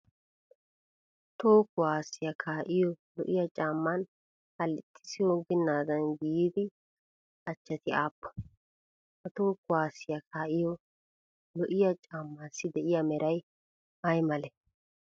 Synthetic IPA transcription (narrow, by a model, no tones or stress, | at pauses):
t̪oːkːʊwaːsːɪjɐkʰaːʔɪjɔlɔʔɪjɐt͡ʃʼaːmːɐn | ɐlɪt̪ʰʼːɪ̥sɪjoɡɪnːaːd̪ɐnɡɪjiːd̪ɪ | ɐt͡ʃːɐt̪ɪaːpːɔ̥ | hɐt̪oːkːʊwaːsːɪjɐkʰaːʔɪjɔ | lɔʔɪjɐt͡ʃʼaːmːasːɪd̪ɛʔɪjamɛɾɐj | ɐjmɐlɛ